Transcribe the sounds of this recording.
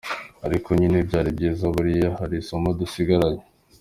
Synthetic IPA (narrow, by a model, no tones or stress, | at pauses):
aɾikʰoɲinebɟaːɾibɟiːzaβuɾijahaɾisomadusiɡaɾaɲe̥